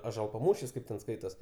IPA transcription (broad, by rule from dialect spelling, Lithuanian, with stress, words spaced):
ɐʒuɔlˠpɐˈmuːʃʲɪs ˈkɐɪp tʲɛn ˈskɐɪtoːs